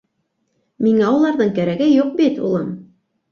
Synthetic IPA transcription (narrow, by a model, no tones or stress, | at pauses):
miŋæwɤlˠɑɾðɤɴkæɾæɡɘjuq̚bit̪ṵlˠɤm